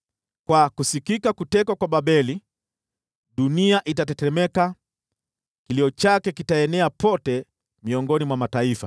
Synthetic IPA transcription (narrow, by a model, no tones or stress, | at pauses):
kwakusikikakutɛkwakwaɓaɓɛli | ɗuniaʔitatɛtɛmɛka | kiliɔt͡ʃakɛkitaɛnɛapɔtɛ | miɔŋɡɔnimwamataifa̰